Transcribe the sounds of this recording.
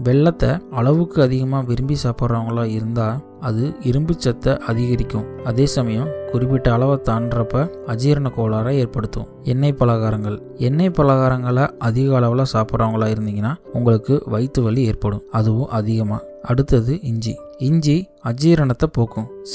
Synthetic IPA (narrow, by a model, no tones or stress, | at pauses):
ʋɛɭːɐt̪ːɐɐɭɐʋɯkːɯɐðɪɣɐmaːʋɪɾɯmbisaːpɐɾaːʋɐŋɡɐɭaːɪɾɯnd̪aː | ɐðɯɪɾɯmbɪt͡ʃːɐt̪ːɐʔɐðɪɣɐɾɪkːɯ̃ɐðeːsɐmɐjɐ̃kʊrɪp̬ːɪʈːɐːɭɐʋɐt̪aːnɖrɐpːɐ | ɐd͡ʒiːɾɐɳɐkoːlaːɾaːeːɾpɐɽɯt̪ːɯ̰̃ | ɛnːɐɪpːɐlɐɣaːɾɐŋɡɐɭ | ɛnːɐɪpːɐlɐɣaːɾɐŋɡɐɭɐʔɐðɪɣɐːɭɐʋɐlaːsaːpɯɾaːʋɐŋɡɐɭaːɪɾɯnd̪ɪŋɡɐnːaːʊŋɡɐɭɯkːɯʋɐɪt̪ːɯʋɐɭːieːɾpɐɽɯ̃ɐðɯʋɯ̃ʔɐðɪɣɐma̰ː | ʔɐɽɯt̪ːɐðɯɪɲd͡ʒḭɪɲd͡ʒi | ɐd͡ʒiːɾɐɳɐt̪ːɐpoːkːʊ̃